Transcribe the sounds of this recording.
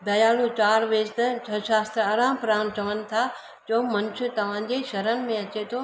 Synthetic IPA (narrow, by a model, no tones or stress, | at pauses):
bɐjaːlut͡ɕaːɾʋeːst̪ɐt͡ɕʰɐʃaːst̪ɾaːɾãːmpɾaːñt͡ɕɐʋənɪ̆t̪ʰa | d͡ʑoːmɐnʃʰʊt̪ɐʋ̤ãːd͡ʑeʃɐɾənɪ̆mẽɐt͡ɕet̪ʰoː